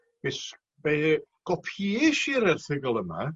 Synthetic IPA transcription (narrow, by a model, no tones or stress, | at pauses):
b̥es | beɡ̥ɔpʰiɛʃiɾɛrθɪɡɔlˠəma̰